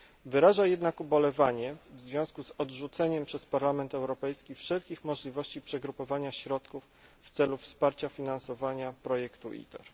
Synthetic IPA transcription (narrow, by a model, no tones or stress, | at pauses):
vɘɾaʐajɛd̪nakɔbɔlɛvaɲɛvzvʲjɔ̃w̃skuzɔd̪ʐut̪sɛɲɛmpʂɛspaɾlamɛnt̪ɛwɾɔpɛjskʲifʂɛlkʲixmɔʐlʲivɔɕt͡ɕipʂɛɡɾupɔvaɲaɕɾɔt̪kufː | t̪sɛlufspaɾt͡ɕafʲinansɔvaɲapɾɔjɛkt̪uʔḭt̪ɛɾ